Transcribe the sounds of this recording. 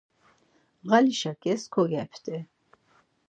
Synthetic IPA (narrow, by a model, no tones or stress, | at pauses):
ʁaliʃakʼɛskʰɔɡɛpʰt̪ʼɛ